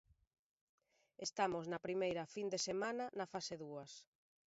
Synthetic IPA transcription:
est̪amʊznɐpɾimejɾɐfind̪esemanɐnɐfaseðuɐs

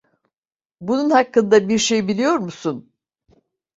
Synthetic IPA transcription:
bununhakːɯnd̪abiɾʃe̞jbilʲijo̞ɾmusun

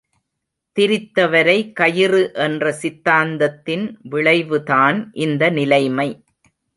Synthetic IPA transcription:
t̪ɪɾɪt̪ːɐʋɐɾɐɪkɐjɪrɯʔɛndrɐsɪt̪ːaːnd̪ɐt̪ːɪnʋɪɭɐɪʋɯðaːnʔɪnd̪ɐnɪlɐɪmɐɪ

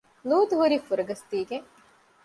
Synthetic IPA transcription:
luːt̪uɦuɾifuɾɐɡɐst̪iːɡeŋ

